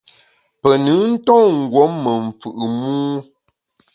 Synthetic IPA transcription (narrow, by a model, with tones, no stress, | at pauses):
pə˨nɨ˨˦n̩˦tɔ̃˦˨ŋ̩˨ɡwɔ˨˦mːə˨ɱ˨fʉ˨ʔɨ˨muː˦